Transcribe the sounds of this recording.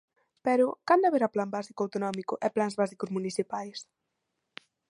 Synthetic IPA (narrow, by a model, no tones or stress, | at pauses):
pɛɾʊkand̪aβeɾaplambasikoawt̪onɔmikʊʔɛplanzβasikʊzmuniθipajs